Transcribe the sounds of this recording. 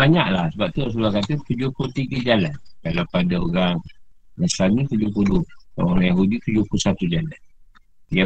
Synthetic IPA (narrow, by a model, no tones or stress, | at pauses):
aɲaʔlahsəbap̚t̪uaʔs̬ulakat̪ət̪ud͡ʒʊpult̪iɡəd͡ʒalankalawpadaoɾaŋasanĩt̪ud͡ʒʊpulʊha̰oɾaŋjaɦudit̪ud͡ʒʊhpusat̪ud͡ʒalan | ia